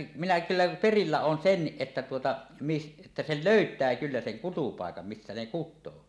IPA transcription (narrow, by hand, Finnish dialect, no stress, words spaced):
minæ kylːæ perilːæ oːn senːiʔ ʔetːæ tuotɑ mis etːæ sei løˑytˑæː kylːæ seŋ kutupɑˑekɑm misːæ ne kutˑoː